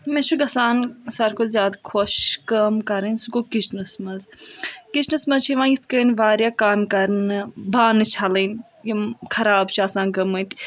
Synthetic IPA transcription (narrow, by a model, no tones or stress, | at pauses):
mẽt͡ʃʰuɡɐsaːnsɐɾkʰozjaːd̪kʰoʃkɐmkɐɾɨnsuɡokit͡ʃnɐsmɐnzkit͡ʃnɐsmɐzt͡ʃʰiʋãːjit̪ʰkəːnʋaːɾjaːkaːmkɐɾnɨbaːnɨt͡ʃʰɐlɐn | jikʰɐɾaːbt͡ʃʰiaːsaːnɡɐmənt̪